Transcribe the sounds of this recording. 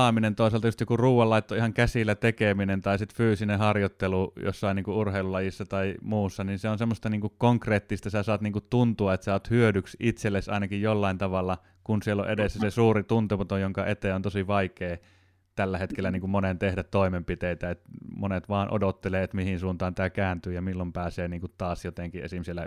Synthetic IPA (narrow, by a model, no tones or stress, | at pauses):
ɑminent̪oˑiselt̪ɑjust̪jokuruːwˑɑlːɑˑit̪ːoihɑŋkæsilːˑæt̪ekeminent̪ɑisit̪fyːsinehɑrjot̪ːelujo̰sːɑiniːŋkuʔurheˑilulɑjisːɑt̪ɑimuːsːɑninseonsemːost̪ɑniːŋkukkoŋkreːt̪ːist̪ɑsæsɑːt̪niːŋkutt̪unt̪uɑet̪sot̪hyødyksit̪selːesɑ̰ˑinɑkijjolːɑint̪ɑʋɑlːɑ | kunsielːo̰ʔedesːæsesuːrit̪unt̪epot̪ojoŋkɑʔet̪eont̪osiʋɑikeː | t̪ælːæhet̪kelːæniːŋkummonent̪ehdæt̪t̪oˑimempit̪eit̪æet̪monet̪ʋɑːnʔo̰dot̪ːeleːet̪mihinsuːnt̪ɑːnt̪ækæːnt̪yːjɑmilːompæːseːniːŋkut̪t̪ɑːsjot̪eŋkiʔḛsimsilːæ̰